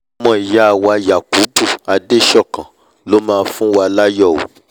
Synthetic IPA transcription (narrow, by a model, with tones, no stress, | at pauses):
mɔ̃˨˦˨i˨ja˦a˨wa˧ja˨ko˨˦bu˦˨a˧de˦ʃɔ˦˨kã˨ | lo˦mãː˦˧fũ˦wa˧la˦jɔ˦˨o̰˨